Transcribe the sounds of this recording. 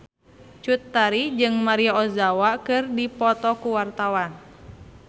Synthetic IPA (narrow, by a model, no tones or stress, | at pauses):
t͡ʃut̪ːaɾid͡ʒɨŋmaɾiaɔzawakɨrdipɔt̪ɔkuwart̪awan